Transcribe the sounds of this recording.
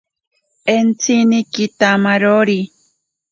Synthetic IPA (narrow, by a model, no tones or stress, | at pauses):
ent͡sʰinikit̪amaɾoɾi